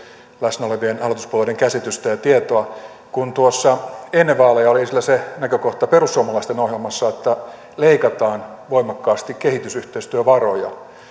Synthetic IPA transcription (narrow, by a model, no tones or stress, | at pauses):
læsnæoleʋienɑlot̪uspuoledeŋkæsit̪yst̪æjɑt̪iet̪oɑ | kunt̪uosːɑenːeʋɑːlejɑolisilːæsenækøkoht̪ɑperusːuomɑlɑist̪enohjelmɑsːɑet̪ːæ | leikɑt̪ɑːn | ʋoimɑkːɑːst̪ikkehit̪ysyht̪eist̪yøʋɑrojɑ̰